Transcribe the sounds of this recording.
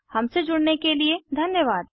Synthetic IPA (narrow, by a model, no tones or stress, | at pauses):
hɐmsed͡ʒʊɽnekelied̪ʱɐnjəʋaːd̪